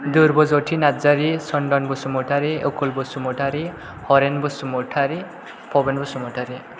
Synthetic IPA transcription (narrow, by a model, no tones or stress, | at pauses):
d̪uɾbɔzoʈʰinad͡ʒaɾisɔɳɖɔnbɔsumɔʈʰaɾiokulbɔsumɔʈʰaɾi | hɔɾenbusumoʈʰaɾi | pʰɔbenbɔsumɔʈʰaɾi